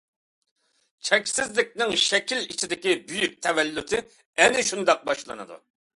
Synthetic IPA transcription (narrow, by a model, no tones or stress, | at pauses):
t͡ʃʰɛkʲsɪzlɪk̚ʲnɪŋʃɛkʲilit͡ʃʰid̪ɪkʲibyjyk̚ʲt̪ʰɛvɛlːyt̪ʰɪ | ɛnɪʃund̪ɑq̚bɑʃlˠɨ̰nɨ̰d̪ṵ